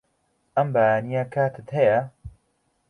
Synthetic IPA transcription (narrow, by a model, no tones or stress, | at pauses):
ɐmbaːjaːnijakʰaːt̪ʰɨt̪hɐjɐ